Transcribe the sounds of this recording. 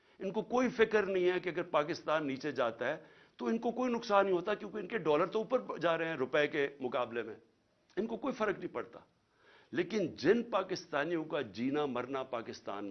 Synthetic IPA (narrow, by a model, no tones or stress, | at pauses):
ɪnkokoːifɪkəɾnɐɦĩɦɛkeɐɡəɾpaːkɪst̪aːnːiːt͡ʃed͡ʒaːt̪aɦɛː | t̪oɪnkokoːinʊksaːnːɐɦĩɦoːt̪akjõːkeɪnkeɖɔːləɾt̪oʊpəɾd͡ʒaːɾɐeɦɛ̃ɾʊpɛekemʊkaːblemḛ̃ː | ɪnkokoːifɐɾəknɐɦĩpɐɽt̪a̰ː | leːkɪnd͡ʒɪnpaːkɪst̪aːnijõkad͡ʒiːnamɐɾnapaːkɪst̪a̰ːn